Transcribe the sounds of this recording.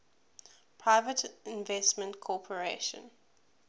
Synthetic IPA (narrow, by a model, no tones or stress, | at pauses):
pʰɹaɪvətʰɪ̃nvɛsmə̃ntkʰɔpʰəɹeʃə̰̃n